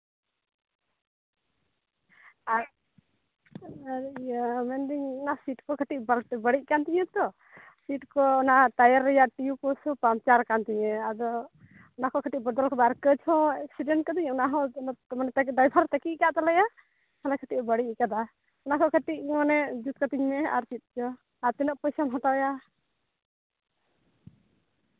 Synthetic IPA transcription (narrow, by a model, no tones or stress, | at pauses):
a | ɾjamɛnd̪iɲɔnasiʈkɔkʰəʈiʔ̚balbəɽiʔ̚ˀkant̪iɲɛt̪ɔ | siʈ̚kɔɔnat̪ajaɾːɛjaʔʈijukɔsɔpamt͡ʃaɾkant̪iɲɛad̪ɔ | ɔnakɔkʰəʈiʔ̚bəd̪ɔlkɔbaɾkəd͡ʒhɔ̃ɛk̚siɖɛɳʈ̚kɔd̪iɲɔnaɦɔnmanɛt̪adajbʱaɾt̪akikaʔt̪alɛja | halakʰəʈiʔ̚bəɽiʔkad̪a | ɔnakɔkʰəʈiʔ̚manɛd͡ʒut̪̚kat̪iɲmɛa̰ɾt͡ʃit̪̚d͡ʒɔ | aɾt̪ɛnɔʔpɔjsamɦat̪aja